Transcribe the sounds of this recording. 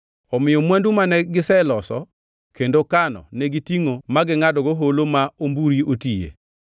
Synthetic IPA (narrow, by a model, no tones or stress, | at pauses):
ɔmɪjɔmwɛndumanɛɡɪsɛlɔsɔ̰ | kendokanɔ̰nɛɡitiŋomaɡɪŋadɔɡoɦolomaombuɾiʔotijḛ